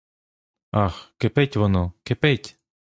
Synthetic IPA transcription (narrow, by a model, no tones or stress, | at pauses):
ɑxkepetʲʋɔnɔkepetʲ